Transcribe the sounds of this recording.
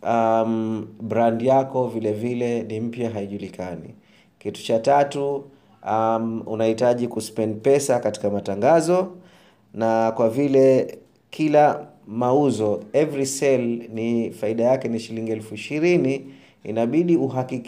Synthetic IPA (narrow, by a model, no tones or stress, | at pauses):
amɓɾandijakɔvilɛvilɛnim̩pjaɦaiʄulikanḭ | kitu̥t͡ʃatatu | amṵnahitaʄikuspɛnd̚pɛsakati̥kamataŋɡazɔ | nakwavilɛ | kʰila | mauzɔɛvɾisɛlnifaiɗajakɛniʃiliŋɡiɛlfuiʃiɾini | ḭnaɓiɗiuɦakik